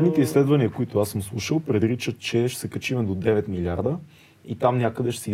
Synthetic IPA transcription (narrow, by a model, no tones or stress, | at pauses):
d̪nit̪ɛislɛd̪vɐniəkoit̪ʊasəmslˠuʃəlˠpɾɛd̪ɾit͡ʃət̪̚t͡ʃɛʃsɛkɐt͡ʃimɛd̪od̪ɛvɛt̪milʲaɾd̪ə | it̪amnʲjakəd̪ɛʃsɛ